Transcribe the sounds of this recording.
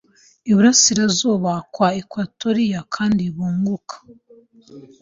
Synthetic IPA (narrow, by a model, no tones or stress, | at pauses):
iβuɾasiɾazuːβakwaikwatoɾijakʰaːndiβuːŋɡukʰḁ